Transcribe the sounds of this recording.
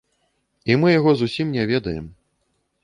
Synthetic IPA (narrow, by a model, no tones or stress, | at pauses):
imɨjaɣɔzusʲimnʲɛvʲɛd̪ɐjɛ̰m